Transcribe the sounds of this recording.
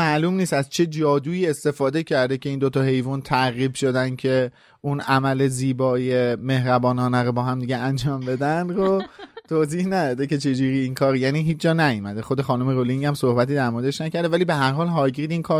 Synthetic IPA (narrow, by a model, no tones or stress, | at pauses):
mæʔlumniːst̪æzt͡ʃʰe̞d͡ʒɒːd̪uːiːe̞st̪e̞fɒːd̪e̞cʰæɾd̪e̞cʰe̞iːnd̪ot̪ʰɒɦe̞jvunt̪ʰæʁiːbʃo̞d̪ænd̪cʰe̞ | unʔæmæle̞ziːbɒːje̞me̞hɾæbɒːnɒːnæɾobɒːɦæmd̪iɟeænd͡ʒɒːmbe̞d̪ænd̪ɾot̪ʰoːziːhnæd̪ɒːd̪e̞ce̞t͡ʃʰe̞d͡ʒuːɾiːinkʰɒːɾijæːniːɦiːt͡ʃd͡ʒɒːnæjumæd̪exo̞d̪e̞xɒːnomeɾoliŋɟæmsohbæt̪iːd̪æɾmo̞ɾed̪eʃnæcæɾd̪evæliːbeɦæɾɦɒːlɦɒːɟid̪inkʰɒːɾ